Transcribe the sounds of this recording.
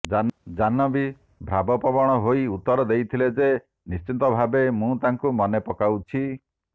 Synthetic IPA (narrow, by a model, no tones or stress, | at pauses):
ad͡ʒanɔbi | bʱɾabɔpɔbɔɽ̃ɔɦoiut̪ːɔɾɔd̪ejt̪ʰiled͡ʒe | nist͡ʃint̪ɔbʱabemũt̪aŋkumɔnepɔkawt͡ʃʰi